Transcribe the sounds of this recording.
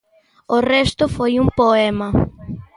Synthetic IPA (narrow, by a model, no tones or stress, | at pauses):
orɛst̪ʊfojumpoɛma